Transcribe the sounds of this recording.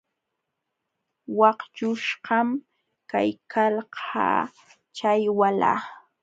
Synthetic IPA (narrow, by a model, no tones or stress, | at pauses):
wɑqt͡ʃʊʃɢɑm | ka̰jkʰalhʰɑ̰ː | t͡ʃajwala̰ː